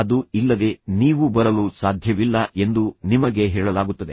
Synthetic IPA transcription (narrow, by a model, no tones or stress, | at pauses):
ɐd̪uilːɐd̪e̞niːʋubɐɾɐlusaːd̪ʱjɐʋilːɐe̞nd̪unimɐɡe̞ɦɛːɭɐlaːɡut̪ːɐd̪e